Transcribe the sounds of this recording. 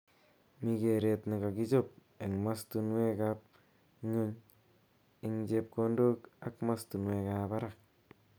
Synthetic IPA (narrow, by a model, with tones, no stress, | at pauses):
mi˧ke˧ɾe˧tna˨ɡa˨ɡi˦d͡ʒo˦p̚ | e˨ŋmastu˧nwe˦kap̚ | ŋu˦ɲ | ɪ˦ŋd͡ʒep̚ko˧ndo˦ka˦kmastu˨nwe˨kaba˦ɾak̚